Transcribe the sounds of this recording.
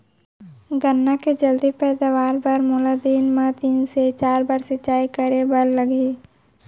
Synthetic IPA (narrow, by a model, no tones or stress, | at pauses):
ɡənːaked͡ʒəld̪ipɛːd̪aʋaːɾbəɾmʊlad̪iːnmãt̪iːnset͡ʃaːɾbaɾsɪt͡ʃːaːikəɾebɐlːəɡe